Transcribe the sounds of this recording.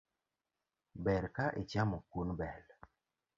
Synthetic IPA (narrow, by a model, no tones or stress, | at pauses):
bɛɾkaʔet͡ʃamɔkunbɛl